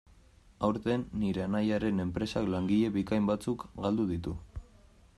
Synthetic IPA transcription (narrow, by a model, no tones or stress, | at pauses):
awɾt̪e̞nːiɾe̞anajaɾe̞ne̞mpɾe̞saklaŋɡiʎe̞βikajmbat͡sukɡald̪uðit̪u